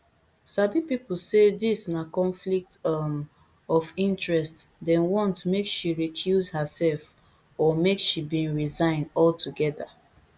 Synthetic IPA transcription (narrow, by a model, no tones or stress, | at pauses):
sabipipl̩sedisnakɔ̃nflik̚t | ɔfĩntɹɛstdɛ̃nwɔ̃ntmekʃiɹikʰjuzhəsɛlf | ɔmekʃibĩnɹizãɪ̃ndɔltʰuɡɛða